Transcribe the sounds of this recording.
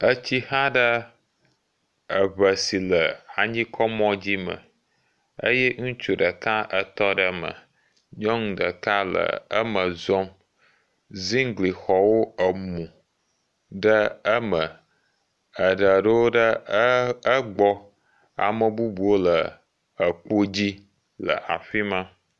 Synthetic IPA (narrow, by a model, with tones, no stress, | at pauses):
ə˦t͡ɕi˦hã˦ɖə˦ | ə˨βə˨si˨lə˨a˨ɲĩ˦kʰɔ˦mɔ̃˦d͡ʑi˦mə̰̃˨ | ə̰˦jɛ˦ŋũ˦t͡ʃu˨ɖə˨ka˦ʔə˨t̪ɔ˦ɖə˦mə̰˨ | ɲɔ̃˦ŋ˨ɖə˨ka˦lə̰˨ə̰˦mə˨zɔ˦m | zi˦ŋ˦ɡli˨xɔ˨wo˦ə˨mũ˨ | ɖə˦ə˦mə̃˨ | ə˨ɖə˨ɖə˦wo˦ɖə˦ | ə˦ɡ͡bɔ˦ | a̰˨mə˨bu˦bu˨o˦lə˨ | ə˨k͡po˦d͡ʑi˦ | lə̰˨ʔa˨ɸi˦mã˦